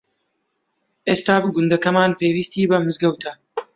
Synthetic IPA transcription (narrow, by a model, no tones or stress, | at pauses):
ʔeːst̪aːbɨɡʊnd̪ɐkɐmaːnpeːwiːst̪iːbɐmɨzɡɐwt̪ʰɐ